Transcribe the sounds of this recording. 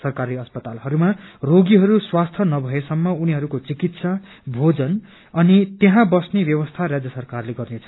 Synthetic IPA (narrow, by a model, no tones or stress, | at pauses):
sʌrkaɾiʌspʌt̪alɦʌɾumaroɡiɦʌɾuswast̪ʰʌnʌbʱʌesʌmːʌuniɦʌɾukot͡sikit̪sʌ | bʱod͡zʌn | ʌnit̪jeɦãbʌsnebjʌwʌst̪ʰaɾad͡zjʌsʌrkarleɡʌrnet͡sʰʌ̥